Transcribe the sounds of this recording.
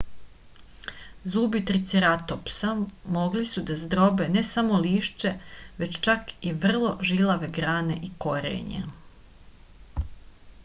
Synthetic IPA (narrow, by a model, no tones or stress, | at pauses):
zuːbit̪ɾit̪siɾat̪opsamo̞ɡlisud̪azd̪ɾobe̞nesamo̞liːʃt͡ʃe̞ʋe̞t͡ɕt͡ʃakiʋr̩lˠo̞ʒilaʋe̞ɡɾaːne̞ʔiko̞ɾḛɲḛ